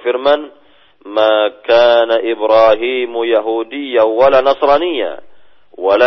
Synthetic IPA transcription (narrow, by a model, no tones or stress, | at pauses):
fɪɾman | maːkaːnaʔɪbɾaːɦiːmjaɦuːd̪ɪjːawalaːnɑsˤɾˤɑːnɪjːa̰ | wala